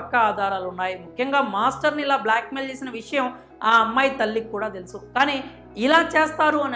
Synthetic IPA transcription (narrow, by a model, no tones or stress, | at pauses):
ɐkːɐaːd̪ʱaːɾaːlunːaːjimukʰːjɐŋɡaːmaːsʈɐɾniilaːblaːkmeːlt͡ʃe̞ːsinɐʋiʂɐjɐm | aːɐmːaːjit̪ɐlːikːuːɽaːt̪e̞lusukaːniː | ilaːt͡ʃeːst̪aːɾuɐn